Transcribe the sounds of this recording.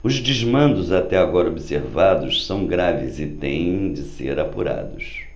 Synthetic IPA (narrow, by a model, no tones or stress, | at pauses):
ʊzd͡ʒɪzmɐ̃nd̪ʊzat̪ɛaɡɔɾɐobiseɾvad̪ʊssɐ̃w̃ɡɾavɪzɪt̪ḛ̃j̃d͡ʒɪsḛɾapuɾa̰d̪ʊs